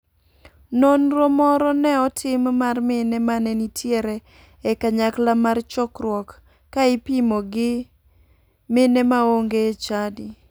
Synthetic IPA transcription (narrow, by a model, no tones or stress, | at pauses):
nonɾomɔɾɔnɛɔtʰɪmmarmɪnɛmanɛnitʰjeɾɛː | kaɲaklamart͡ʃɔkɾwɔkː | aɪpimoɡɪ | mɪnɛmaoŋɡet͡ʃadi